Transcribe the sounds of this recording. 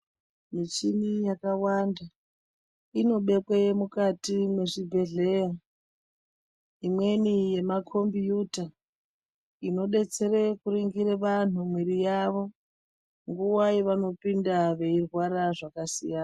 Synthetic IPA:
mit͡ʃinijakawanda | ino̞ɓe̞kwemukatimwe̞ʐibʱe̞ɮe̞ja | imwe̞nije̞makʰo̞mbijuta | ino̞ɗe̞t͡se̞rekuɾiŋɡiɾeʋan̤umwiɾijaʋo̞ | ŋɡuwajeʋano̞pindaʋe̞irwaɾaʐakasḭjaːna

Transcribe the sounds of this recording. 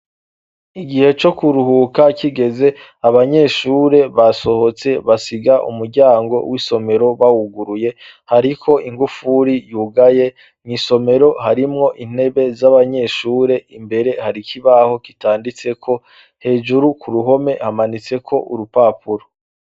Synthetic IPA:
iɡihe̞t͡ʃo̞kuɾuhukakʰiɡe̞ze̞ | aβaɲe̞ʃuːɾe̞βaso̞ho̞t͡se̞βasiɡaʔṵmuɾɟaːŋɡo̞̰wʔiso̞me̞ɾo̞βawuɡuɾuje̞ | haɾikʰo̞ʔiŋɡufuɾijuːɡaje̞ | ŋiːso̞me̞ɾo̞haɾimŋo̞ʔin̥e̞βe̞zaβaɲe̞ʃuːɾe̞imbe̞ɾe̞haɾikʰiβaho̞kitaːndit͡se̞kʰo̞ | he̞ːd͡ʒuɾukʰuɾuɦo̞me̞hamanit͡se̞kʰo̞ʔuɾupaːpuɾo

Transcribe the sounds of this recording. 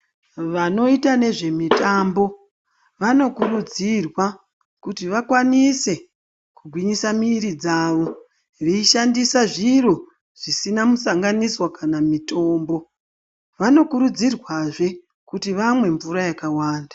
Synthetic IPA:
ʋano̞itane̞ʐe̞mitambo̞ | ʋano̞kuɾud͡zirwa | kutiʋakwanise̞ | kuɡʱwiɲisamiːɾid͡zaːʋo̞ | ʋeiʃandisaʐiɾo | ʐ̥isinamusaŋɡaniswakanamito̞ːmbo̞ | ʋano̞kuɾud͡zirwaʐe̞ | kutiʋamwe̞ɱvuɾajakawaːndḁ

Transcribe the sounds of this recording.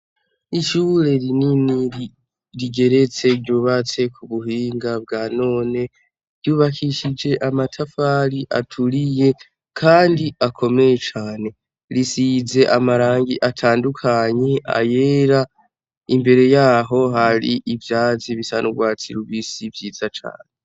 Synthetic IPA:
iʃuɾe̞ɾinini | ɾiɡe̞ɾe̞t͡se̞ɾɟuːβat͡se̞kʰuβuɦiːŋɡab̚ɡaːno̞ːne̞ | ɾɟjuːβakʰiʃid͡ʒe̞ʔamatʰafaɾiʔa̰tʰuɾije̞ | kʰaːndiʔakʰo̞me̞jet͡ʃaːne̞ | ɾisize̞ʔamaɾaːŋɡiʔatʰaːndukʰaɲe̞a̰je̞ɾa | imbe̞ɾe̞jaːɦo̞ɦaɾiʔivjaːziβisa̰nʔuɡwaːt͡siɾuβisivjiːzat͡ʃa̰ːne

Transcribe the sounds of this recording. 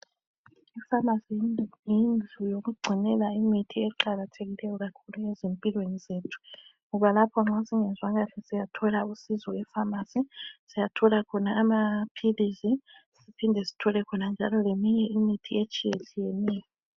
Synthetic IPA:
ifamasiinjind͡ɮʱujoɣuɡ͡ǀʱinɛlaimitʰiɛǃaɣatʰeɣilɛjɔɣakʰuluezempʼilwenizeːtʰu̥ | ŋɔβalapʰɔŋ͡ǁasiŋɛnzwaɣaɬɛsijatʰɔlausizɔɛfamasisijatʰɔlakʰɔnaːmapʰilizi | sipʰindʱɛsi̥tʰɔlɛkʰɔnand͡ʒʱalɔlemiɲɛimitʰiet͡ʃʼijet͡ʃʼijɛnɛːjɔ

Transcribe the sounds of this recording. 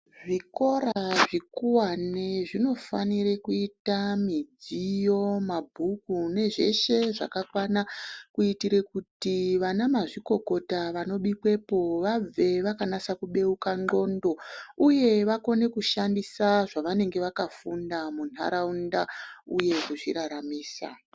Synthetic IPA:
ʐiko̞ɾaʐikuwaneʐino̞faniɾekuitamid͡zijo̞mabʱukune̞ʐe̞̰ʃe̞ʐa̰kakwanakuitiɾe̞kutiʋanamaʐiko̞ko̞taʋano̞ɓikwe̞po̞ʋab͡ve̞ʋakanasakuɓe̞ukaŋ͡ǃo̞ndo̞uje̞ʋako̞ne̞kuʃandisaʐaʋane̞ŋɡe̞ʋakafundamuna̰ɾaundauje̞kuʐḭɾaɾamiːsa̰

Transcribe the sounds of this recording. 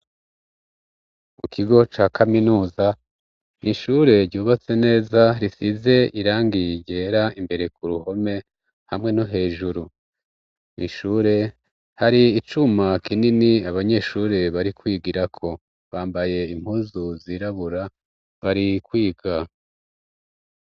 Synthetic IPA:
mukʰiɡo̞t͡ʃaːkʰaminuːza | niʃuːɾe̞ɾɟuːβat͡se̞ne̞ːzaɾisize̞iɾaːŋɡiɟe̞ːɾaimbe̞ɾe̞kuɾuho̞me̞ | hamŋe̞noɦe̞ːʒuɾu | niʃuɾe̞ | haɾiːt͡ʃumakininiaβaɲe̞ːʃuːɾe̞βaɾikwiːɡiɾakʰo̞ | βaːmbaje̞im̥huːzuziɾaβuɾa | βaɾikwiːɡa

